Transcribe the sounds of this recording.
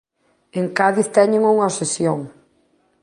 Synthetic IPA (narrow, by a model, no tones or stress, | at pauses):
eŋkaðiθt̪ɛɲeŋuŋaosesjoŋ